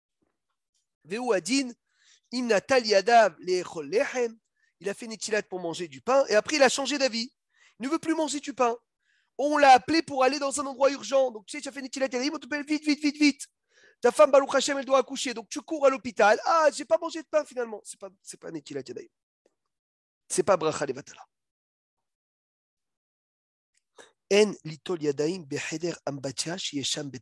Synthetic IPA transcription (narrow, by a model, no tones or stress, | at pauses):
veuad̪in | imnat̪aliad̪avleχɔlːeħɛm | ilafɛnet̪ʲilat̪̚puʁmɑ̃ʒed̪ypɛ̃ʔeapχɛilaʃɑ̃ʒed̪avi | ilnəvøplymɑ̃ʒed̪ypɛ̃ | oɔ̃laːplepuʁaled̪ɑ̃zɛ̃nɑ̃d̪ʁwayʁʒɑ̃d̪ɔ̃kt̪y̥sɛt̪yafɛnet̪ilat̪̚ad̪ajimɔ̃t̪̬əpɛlvit̪vivit̪vit̪ː | afambaluχaʃɛmɛld̪waːkuʃed̪ɔ̃k̚t̪ykuʁalɔpit̪alaʒepamɑ̃ʒed̪əpɛ̃finalmɑ̃sɛ̥pasɛpanet̪ilat̪jad̪a̰im | sɛpabʁaχalevat̪ala | ɛnlit̪ɔljad̪aimbeħɛd̪ɛʁambat̪aʃieʃambɛt̪